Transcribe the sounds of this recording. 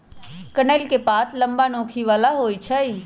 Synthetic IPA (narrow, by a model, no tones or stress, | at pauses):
kənəlkepaːt̪ʰləmbanõːkʰiʋaːlaɦoːjt͡ʃʰəi